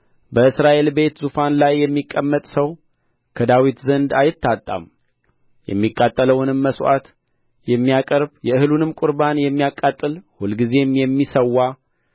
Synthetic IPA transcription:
bəɨsɾaʔe̞lbe̞t̪zufanlajːɛmːikʼːəmːət̪ʼsəw | kʰəd̪awit̪zənd̪ajɪt̪ʰːat̪ʼːa̰m | jɛ̰mːikʼːat̪ʼːələwnɨmːəsʔa̰t̪ | jɛmːijakʼəɾbjɛɨhɨlunɨmkʼʊɾbanjɛmːijakʼːat̪ʼːɨlhulɡize̞mjɛmːisəwːa

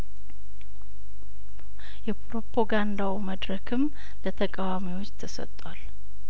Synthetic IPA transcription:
jɛpʰoɾopʰoɡand̪awməd̪ɾəkʰɨm | lət̪ʰəkʼawamiwo̞t͡ʃːt̪ʰəsə̰t̪ʼːwal

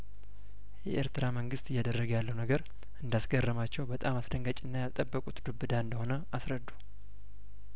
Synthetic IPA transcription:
jɛʔeɾt̪ɨɾaməŋɡɨst̪ɪjːad̪ərːəɡəjalːəwunəɡəɾ | ʔɨnd̪asɡərːəmat͡ʃːɛwbət̪ʼamasd̪əŋɡət͡ʃʼɪnːajat̪ʼəbːəkʼut̪d̪ubːɨd̪aɨnd̪əho̞nə | asɾəd̪ːu̥

